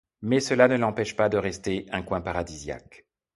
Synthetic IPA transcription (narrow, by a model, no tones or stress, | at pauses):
mɛsəlanəlɑ̃pɛʃpad̪əʁɛst̪eɛ̃kwɛ̃paʁad̪izja̰k